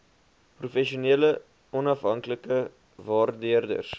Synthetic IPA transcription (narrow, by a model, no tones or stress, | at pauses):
prufɛʃiuniələ | ɔnɐfɦɐŋkləkə | vɑːrdiərdə̰rs